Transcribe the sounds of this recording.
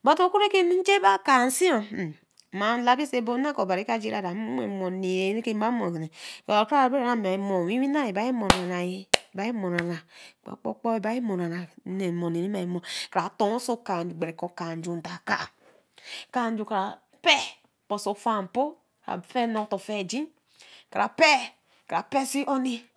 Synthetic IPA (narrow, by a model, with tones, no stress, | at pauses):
ba˨to˦ku˦ɾe˦ke˦mi˦n˦d͡ʒe˦ba˦ka˨n̩˦si˦o˨ | ma˨n˦la˨˦bi˦se˦bo˦na˦ko˨ba˨ɾi˦ka˦d͡ʒe˦ɾa˦˨da˨m˦m˦ḛ˨˦mo˨ne˨e˨˦ne˦ke˦a˦mo˨zi˨ne˨ka˨ka˦˨be˦a˨˦a˨˦m˨a˨i˨mo˨wi˦wi˦na˦je˨ba˨˦i˦mo˨na˨na˨je˦˨ba˨˦i˦mo˨na˨na˨k͡po̰˨k͡po̰˦k͡pɔ˦e˦˨ba˦ji˦mo˨na˨na˨˦ne˨mo˨ne˨ni˦ma˨ji˨˦mo˨ka˨ɾa˨˦to˨˦o˦so˦ka˨n˨d͡ʒu˨ɡ͡be˨ɾe˨kɔ˨ka˨n˨d͡ʒu˨n˨da˨ka̰˦˨ | ka˨n˦d͡ʒu˨ka˨ɾa˨ | pɛ˦ | k͡po˨so˨fa˦˨po˦ | ka̰˨fɛ˦no˨˦to˨fe˦˨d͡ʒi˦ | ka˨ɾʔa˨pe˦ | ka˨ɾa˨pe˦si˦o˦ni˦